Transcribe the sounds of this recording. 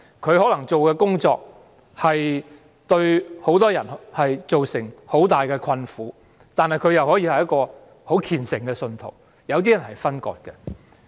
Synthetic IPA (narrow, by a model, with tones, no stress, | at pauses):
kʰɵ˨˧ɥhɔː˨˥lɐ˨˩ŋt͡so˨wkɛː˧kʊ˥ŋt͡sɔː˧k̚ | hɐ˨j | t̪ɵ˧ɥho˨˥wt̪ɔː˥jɐ˨˩nhɐ˨jt͡ʃo˨wsɪ˨˩ŋho˨˥wt̪aː˨jkɛː˧kʰɐ˧nfuː˨˥ | t̪aː˨nhɐ˨jkʰɵ˨˧ɥjɐ˨whɔː˨˥jiː˧hɐ˨jɐ˥t̚kɔː˧ | ho˨˥wkʰiː˨nsɪ˨˩ŋkɛː˧sɵ˧nt̪ʰo̰˨˩w | jɐ˨˧wt̪̬iː˥jɐ˨˩nhɐ˨˩jfɐ˥nkɔ̰ː˧t̚kɛ˧